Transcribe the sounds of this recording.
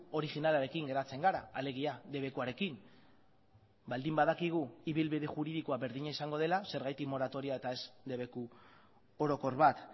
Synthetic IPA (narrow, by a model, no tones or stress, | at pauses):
o̞ɾixinalaɾe̞kiŋɡe̞ɾat͡se̞ŋɡaɾaale̞ɣ̞iad̪e̞β̞e̞kuaɾe̞kim | bald̪imbaðakiɣ̞uiβ̞ilβiðe̞ʝuɾiðikoaβe̞ɾðiɲaisaŋɡo̞ð̞e̞lase̞ɾɣajt̪ikmo̞ɾat̪o̞ɾiae̞t̪ae̞sd̪e̞βe̞ku | o̞ɾo̞ko̞ɾβat̪